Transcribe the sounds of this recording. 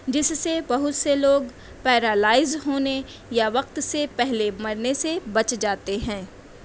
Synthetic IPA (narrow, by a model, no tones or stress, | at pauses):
d͡ʒɪsːebɐɦʊt̪seloːɡ | pɛːɾalaːɪzɦoːne | jaʋɐq̚t̪sepɛɦlemɐɾnesebɐt͡ʃd͡ʒaːt̪eɦɛ̃ː